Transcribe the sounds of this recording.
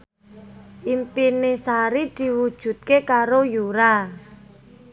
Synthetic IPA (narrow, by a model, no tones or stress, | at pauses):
ʔimpinesaɾid̪̥i̤wud̥ʒ̥ṳt̪̚kekaɾojuɾa